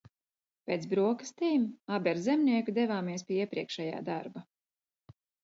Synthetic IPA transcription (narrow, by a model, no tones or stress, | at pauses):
pʲeːt̪sbɾuɔkḁst̪iːmabɛɾzɛmnʲiɛkud̪ɛvaːmiɛspʲiɛiɛpɾiɛkʃɛja̰ːd̪aɾba